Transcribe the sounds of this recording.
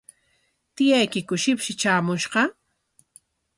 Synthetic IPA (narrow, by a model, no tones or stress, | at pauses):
t̪ɪjajkɪkʊʃɪpʃɪt͡ʃaːmʊʃɢɑ